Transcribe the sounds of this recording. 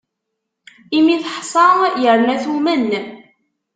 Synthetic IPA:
imiθħsˤɑjəɾˤnæθumən

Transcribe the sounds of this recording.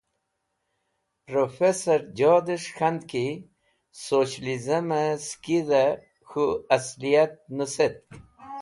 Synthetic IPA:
pɾofesaɾd͡ʒɔd̪əʂxand̪ki | soɕlizamaskid̪a | xuaslijat̪̚nəset̪̚

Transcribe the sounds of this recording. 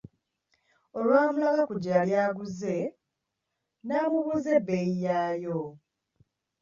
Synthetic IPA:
olwaːmulalakuɟaljaːɡuze̞ | naːmuβuze̞bejijaːjo

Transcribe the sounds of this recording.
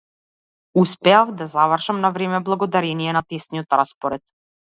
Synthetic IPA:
uspɛafd̪azavrʃamnavɾɛmɛblˠaɡɔd̪aɾɛniɛnat̪ɛsnijɔt̪ɾaspɔɾɛt̪

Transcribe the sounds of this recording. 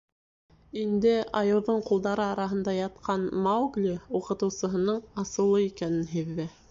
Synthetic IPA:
ind̪ɘʔɑjɤ̆w̪ˠðɤɴqulˠd̪ɑɾɤɑɾɑɦɤ̆nd̪ɑjɑt̪̚qʰɑnmawɡlʲiuqɤ̆t̪ɤ̆wsɤ̆ɦɤ̆nɤɴɑsɤ̆lˠːɤikænɘnɦiðːɘ

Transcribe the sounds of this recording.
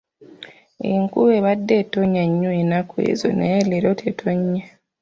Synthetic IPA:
eŋkuβeβadːetoɲaɲːuenakwḛːzo̰nejeleɾotʰetʰoɲːa

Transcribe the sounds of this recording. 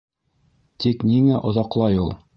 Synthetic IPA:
t̪ikniŋæʔŏðɑqlˠɑjulˠ

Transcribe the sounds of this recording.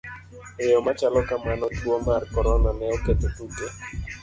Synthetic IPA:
ejɔmat͡ʃalɔkamanɔtwomarkɔɾɔnanɛɔket̪etuɡe

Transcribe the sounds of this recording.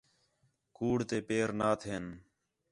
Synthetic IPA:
kuːɽt̪eːpeːɾnaːt̪ʰeːn

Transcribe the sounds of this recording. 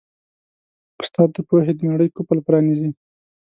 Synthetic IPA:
ʊ̥st̪ɑd̪ːəpoɦed̪ənaɽəjkopəlpɾɑnizi

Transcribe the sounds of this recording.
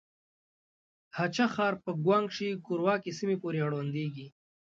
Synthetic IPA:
hat͡ʃaxɑːɾpəɡwaŋɡʂikuɾwɑːkisimepoɾeaɽwand̪eɡi

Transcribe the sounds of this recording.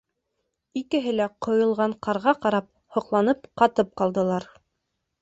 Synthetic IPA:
ikɘ̆ɦɘlæqŏjɤ̆lˠʁɑɴqɑɾʁɑqɑɾɑp̚ | hŏqlˠɑnɤp̚qɑt̪ɤp̚qɑlˠd̪ɤ̆lˠɑɾ

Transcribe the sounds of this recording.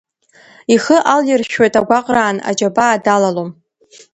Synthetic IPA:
iχəʔalɪrʃᶣojtʼaɡʷaqʼraːna̰d͡ʒabaːdalalom

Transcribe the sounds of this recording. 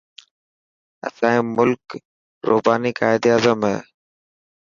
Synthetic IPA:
ɐ̰sãːẽːmʊlk | ɾʔo̰ːbaːnikaːɪd̪aːzəmɦɛ

